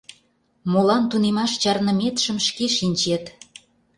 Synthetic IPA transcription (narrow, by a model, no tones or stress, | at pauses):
molɑnt̪unemɑʃt͡ɕɑrnə̆met̪ʃəmʃkeʃinʲt͡ɕet̪